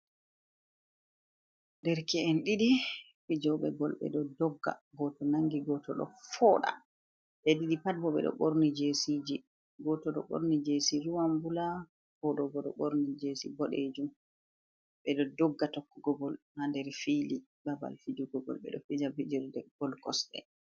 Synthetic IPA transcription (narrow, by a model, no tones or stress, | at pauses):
ndɛɾkɛɛnɗiɗi | fid͡ʒɔɓɛ̰ɡɔlɓɛ̰ɗɔdɔɡːa̰ɡɔtɔnaŋɡiɡɔtɔɗɔ̰fɔɗa̰ | ɓɛɗiɗipat̚bɔɓɛ̰ɗɔ̰ɓoɾnid͡ʒesid͡ʒi | ɡɔtɔɗɔ̰ɓo̰ɾnid͡ʒesiɾuwambula | fɔɗɔbɔɗɔ̰ɓoɾnid͡ʒesḭbɔɗed͡ʒum | ɓɛɗɔdɔɡːatɔkːuɡɔɡɔlnandɛɾfili | baba̰lfid͡ʒuɡɔɡɔ̰lɓɛ̰ɗɔ̰fid͡ʒabid͡ʒɔɾdɛɡ̥ɔlkɔsɗɛ̰